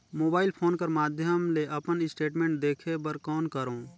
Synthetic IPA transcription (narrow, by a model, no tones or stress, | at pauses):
moːbaːɪlpʰoːnkɐɾmaːd̪ʱjəmleʔɐpənɪsʈeːʈmẽːɳʈ̚d̪eːkʰepəɾkɔːnkəɾõː